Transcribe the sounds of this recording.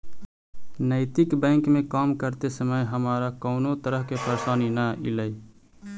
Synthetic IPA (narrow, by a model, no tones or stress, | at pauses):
nəɪt̪ɪkbə̃ɪŋkmẽkaːmkəɾt̪esəməjɦəmaːɾakəʊnot̪əɾəɦkepʰəɾsaːninəḭləj